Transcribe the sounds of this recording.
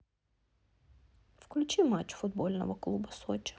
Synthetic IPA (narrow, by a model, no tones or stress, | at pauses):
fklʲʊt͡ʃimat͡ʃːfʊd̪̚bɔlʲnɔ̰ʋɐklˠubɐsɔt͡ʃɪ̥